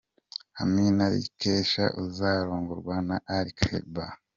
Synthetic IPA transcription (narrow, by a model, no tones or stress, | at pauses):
ha̰minaɾḭkʰeːʃa̰ʔuzaːɾoːŋɡoɾɡwanaʔːɾikʰḛba